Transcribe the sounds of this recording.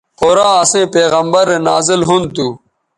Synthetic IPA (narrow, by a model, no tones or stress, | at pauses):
xoːɾãːɐsẽːpeːɣəmbəɾena̰ːzɪlɦʊnt̪uː